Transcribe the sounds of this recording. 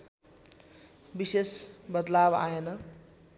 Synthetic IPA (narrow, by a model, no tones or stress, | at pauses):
bisesbʌd̪laba̰enʌ